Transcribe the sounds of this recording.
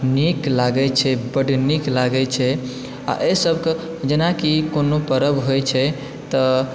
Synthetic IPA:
niklaɡɛt͡ʃʰɛbəɖniklaɡɛt͡ʃʰɛ | a̰ʔesəbʱke | d͡ʒenakikonopəɾəbɦojt͡ʃʰɛ | t̪ɔ

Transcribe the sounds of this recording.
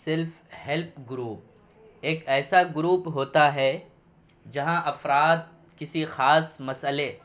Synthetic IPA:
sɪɾf | hɛlp̚ɡɾuːp̚ | eːkɛːsaɡɾuːpɦoːt̪aɦɛ | d͡ʒɐɦãʔɐfɾaːt̪̚ | kɪsixaːsmɐsəle

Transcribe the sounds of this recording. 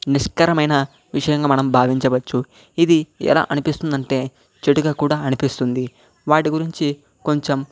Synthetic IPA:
niʂkɐɾɐmɐjnɐ | ʋiʂɐjɐŋɡaːmɐnɐmbʱaːʋiɲt͡ʃɐʋɐt͡ʃːu | id̪iɛ̰la̰ːʔɐnipist̪und̪ɐɳʈe̞ː | t͡ʃeʈuɡaːkuːɽaːɐnipist̪und̪i | ʋaːʈiɡuɾiɲt͡ʃi | ko̞ɲt͡ʃem

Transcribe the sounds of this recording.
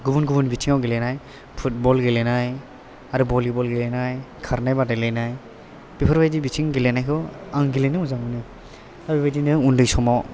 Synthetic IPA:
ɡubunɡubunbitʰiŋawɡilenaj | pʰut̚bɔlɡelenaj | aɾubɔlibɔlɡelenajkʰaɾnajbadalejnaj | b̥ipʰaɾbajdibitʰiŋɡilenajkʰɯaŋɡilenɯmuzaŋɯnɯ | abibajdinɯundɯjsɔmaw

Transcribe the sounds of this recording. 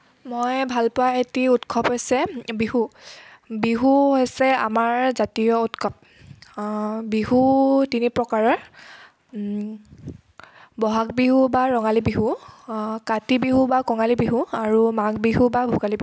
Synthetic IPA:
mojbʱalpʊwaetiutkʰɔpɦojsɛbiɦu | biɦuɦojsɛa̰maɹzatijɔutkʰɔp̚ | biɦutinipɹɔkaɹɔɹ | bɔɦak̚biɦubaɹɔŋalibiɦu | katibiɦubakɔŋalibiɦuaɹumaɡbiɦubabʱuɡalibi

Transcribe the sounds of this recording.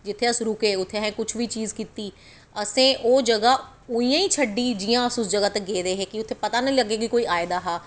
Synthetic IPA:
d͡ʒɪt̪ʰːeːəsɾʊkeːʊt̪ʰːeːɦɛ̃ːkʊt͡ʃʰʋiːt͡ʃiːzkiːt̪iː | əsẽːʔoːd͡ʒəɡaː | ʊĩːjãːiːt͡ʃʰəɖiːd͡ʒɪːãːəsʊsd͡ʒəɡaːt̪əɡeːd̪eːɦeːkɪʊt̪ʰːeːpət̪aːnəĩːləɡeːkɪkoːiːaːɪd̪aːɦaː

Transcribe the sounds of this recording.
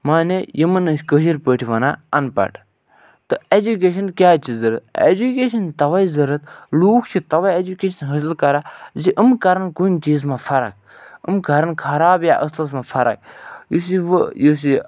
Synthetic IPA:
maːnejimɐnɨskəʃiɾpəʈʰiʋɐnaɐnpɐ̰ʈʰ | t̪ɨed͡ʒuk̬eːʃɐnkʲjaːt͡ʃizəɾət̪ḛd͡ʒukeːʃɐnt̪ɐʋaizɐɾət̪luːkʰt͡ʃʰit̪ɐʋaied͡ʒukeːʃɐnɦəs̬lkɐɾaziʔəmkɐɾɐnkunʲt͡ʃiːzmãfʰɐɾɐ̰k̚ | ɨ̰mkɐɾɐnkʰɐɾaːbjaʔəslɐs̬mãfʰɐɾɐ̰k̚jus̬iʋjus̬i

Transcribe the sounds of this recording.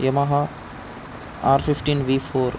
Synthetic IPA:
jɐmaɦa | aːɾfifʈinʋifoːɾ

